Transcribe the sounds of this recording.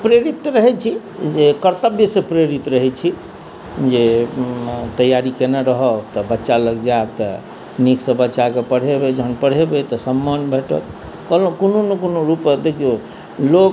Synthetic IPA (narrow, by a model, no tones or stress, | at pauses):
pɾeɾit̪ɾəɦɛt͡ʃʰi | d͡ʒekəɾt̪əbjəsepɾeɾit̪ɾəɦɛt͡ʃʰi | d͡ʒe | t̪əjaɾikenaɾəɦət̪ɔbətːʃaləɡd͡ʒat̪ | niksə̃bətːʃakepəɽ̤ebed͡ʒʱənpəɽ̤ebet̪ɔsəmːənbʱeʈə̰t̪ | kəlokononekonoɾupd̪ekʰio | lok